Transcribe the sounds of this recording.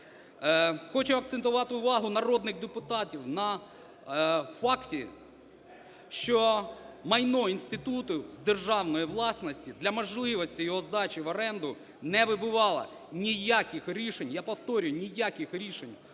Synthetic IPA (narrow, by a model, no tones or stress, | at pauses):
xɔt͡ʃʊɐk̚t̪sent̪ʊʋɑt̪ɪʊʋɑɦʊnɐrɔd̪nɪɣd̪epʊt̪ɑtʲiwnɐ | fɑktʲi | ʃt͡ʃɔmɐjnɔinʲsʲt̪ɪt̪ut̪ʊzd̪erʒɑwnɔjiʋlˠɑsnɔsʲtʲid̪lʲɐmɔʒlˠɪʋɔsʲtʲijɔɦɔzd̪ɑt͡ʃɪʋɔɾɛnd̪ʊ | nɛʋɪbʊʋɑlˠɐ̰ | nʲijakʲɪxɾʲiʃenʲjapɔwt̪ɔɾʲʊjʊnʲijakʲɪxɾʲiʃenʲ